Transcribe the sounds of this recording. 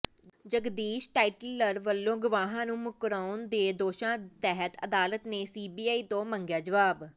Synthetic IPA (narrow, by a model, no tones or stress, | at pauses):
d͡ʒəɡd̪iːʃʈaːiʈləɾʋəlːõːɡʊʋaːɦãːnũːmʊkɾaːʊnd̪eːd̪oːʃãːt̪ɛɦət̪ə̰d̪aːlət̪neːsiːbiːaːiːt̪õːməŋɡjaːd͡ʒəʋaːb